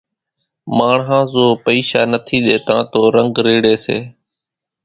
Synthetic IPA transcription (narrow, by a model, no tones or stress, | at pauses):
maːɳɦãːzoːpəiːʃaːnət̪ʰiːɗ̪eːt̪ãːt̪oːɾəŋɡɾeːɽeːseː